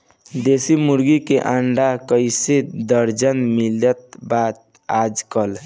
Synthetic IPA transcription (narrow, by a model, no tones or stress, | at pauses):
d̪esimuɾɡikeʔãɳɖakəɪsed̪əɾd͡ʒənmilət̪̚bat̪̚ | ad͡ʒkəl